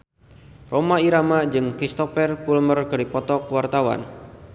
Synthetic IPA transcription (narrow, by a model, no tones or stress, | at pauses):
rʔomaiɾamad͡ʒɨŋkɾist̪ɔfɛrpulmərɡəɾipɔt̪ɔkwart̪awa̰n